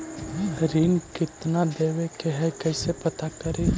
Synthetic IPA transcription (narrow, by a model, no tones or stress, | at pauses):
ɾiːnkɪt̪nad̪eːwekeɦɛkɛːsepɐt̪akɐɾe